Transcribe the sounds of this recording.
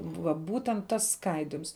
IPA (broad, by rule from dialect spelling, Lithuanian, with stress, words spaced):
ʋɐ ˈbuːtʲɛnt ˈtɐs ˈskɐɪdʲɪms